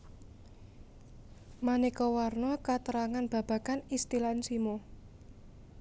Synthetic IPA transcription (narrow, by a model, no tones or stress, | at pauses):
manekɔwarnɔkat̪əɾaŋanb̥ä̤b̥a̤kanist̪ilansimo